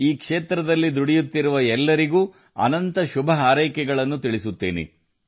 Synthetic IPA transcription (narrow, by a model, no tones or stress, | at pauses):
iːkʂeːt̪ɾɐd̪ɐlːid̪uɽijut̪ːiɾuʋɐɛlːɐɾiɡuː | ɐ̰nɐnt̪ɐʃubʱɐɦaːɾɐjkɛɡɐɭɐnːut̪iɭisut̪ːḛːnḛ